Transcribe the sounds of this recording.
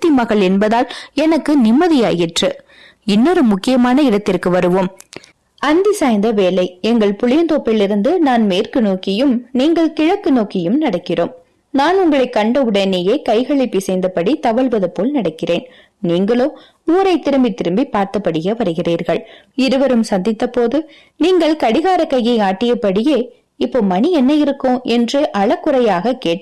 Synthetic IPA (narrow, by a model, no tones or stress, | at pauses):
t̪ːɪmɐɣɐɭɛnbɐðaːlɛnɐkːɯnɪmːɐðɪjaːjɪʈrɯ | ɪnːoɾɯmʊkːɪjɐmaːnɐɪɽɐt̪ːɪrkɯʋɐɾɯʋoːm | ɐnd̪ɪsaːjnd̪ɐʋeːlɐɪɛŋɡɐɭpʊɻɪjɐnt̪oːpːɪlɪɾɯnd̪ɯnaːnmeːrkɯnoːkɪjɯmniːŋɡɐɭkɪɻɐkːɯnoːkɪjɯmnɐɽɐkːɪroːm | naːnʊŋɡɐɭɐɪkːɐɳɖɐɯɽɐjneːjeːkɐɪɣɐɭɪpːisɛɪnd̪ɐpɐɽit̪ɐʋɐɭʋɐðɐpːoːlnɐɽɐkːɪreːn | niːŋɡɐɭoː | uːɾɐɪt̪ːɪɾɯmbit̪ːɪɾɯmbipːaːɾt̪ɐpːɐɽɯjɐʋɐɾɯɣɪriːɾɣɐɭ | ɪɾɯʋɐɾɯmsɐnd̪ɪt̪ːɐpːoːðɯ | niːŋɡɐɭkɐɽɪɣaːɾɐkːɐjːɐɪaːʈːɪjɐpːɐɽɪjeː | ɪpːoːmɐniɛnːɐjɪɾɯkːõːʔɛndrɯʔɐɭɐkːɯɾɐjaːɣɐkeːʈː